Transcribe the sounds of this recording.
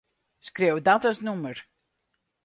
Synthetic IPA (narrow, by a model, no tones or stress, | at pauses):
skrewdaːtasnumər